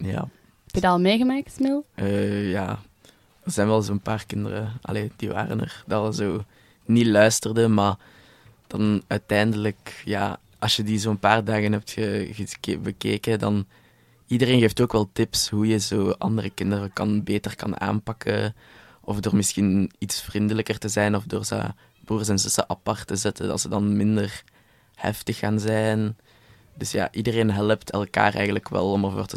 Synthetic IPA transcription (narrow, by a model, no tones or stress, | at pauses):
ja̰ | ɛpjədɑlˠmeːɣəmaːk̚tsmɪlˠʔəːjaː | ərzɛnʋɛlˠzoːənpaːrkɪndə̰rə̰ɑ̰leːd̥ḭʋa̰ːrə̰nə̰rdləzoː | nilœɥstərdəmaː | d̥ɑnœːtɛːndələkja̰ː | ʔɑsjədizoːənpaːrdaːɣənɦɛp̚txəəkbəkeːkədɑn | idəreːnɣeːftoːkʋɛlˠtɪpsɦujəzoːʔɑ̰ndərəkɪndərəkɑnbeːtərkɑnʔa̰ːnpɑkʰə | ɔfdoːrmɪsxinitsfrindələkərtəzɛjnɔvdo̰ːrzə̰ | b̥uːrsɛnzɵsəʔɑpɑrtəzɛtədɑ̰tsədɑnmɪndər | hɛ̰ftəxːaːnzɛjn | d̥ɵsja̰ːʔidəreːnɦɛləptʰɛ̰lˠka̰ːrɛ̰jɣən̩ləkʋɛ̰lˠɔmərvo̰ːrtə